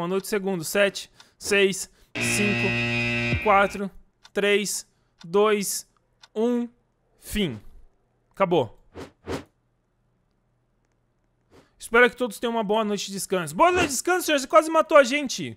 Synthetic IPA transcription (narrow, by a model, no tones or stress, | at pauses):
mɐnojt͡ʃɪ̥seɡũd̪ʊsɛt͡ʃɪ̥sejsː | ĩŋkʊkwat̪ɾʊ | t̪ɾejs | d̪ojs | ũ | fĩ | kabo | ɪspɛɾɐkɪt̪od̪ʊst̪ẽj̃ũmɐboɐnojt͡ʃɪd͡ʒɪskɐ̃sʊboɐnojt͡ʃd͡ʒɪskɐ̃sʊsẽoɾs̬ekwazɪmat̪oaʒẽnt͡ʃɪ